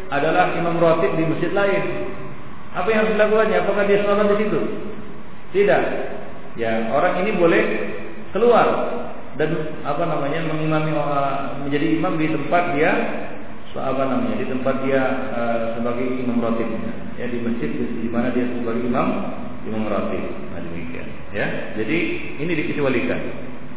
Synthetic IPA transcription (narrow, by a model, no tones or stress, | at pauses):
ʔadalahimamrot̪ɪt̪̚diməsd͡ʒɪt̪̚laɪn | apajaŋsəlakuaɲaːpakahdiasəlabandisit̪u | sidaʔ | jaoɾaŋinibolɛh | kəluar | dan | apanamaɲaməŋimamiə | məɲd͡ʒadiːmamdit̪əmpat̪̚dia | a̰panamaɲadit̪əmpat̪̚dia | əsəbaɡajimamrot̪ɪt̪̚ɲa̰ | ja̰dibəsɪt̪̚dədimanadiasəbaɡajimam | imamɾo̰t̪ɪ̰t̪̚ | ma̰dəmḭkḭa̰n | ja | d͡ʒadiː | nidikət͡ʃiwalika̰n